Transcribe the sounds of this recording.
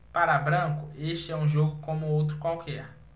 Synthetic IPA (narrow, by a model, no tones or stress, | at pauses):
paɾabɾɐ̃kʊeʃt͡ʃɪɛũʒoɡʊkõmʊowt̪ɾʊkwawkɛɾ